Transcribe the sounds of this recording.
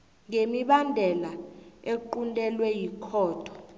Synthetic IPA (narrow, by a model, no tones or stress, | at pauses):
ŋemiɓandʱɛlaeǃundʼɛlwɛjikʰɔːtʰɔ̥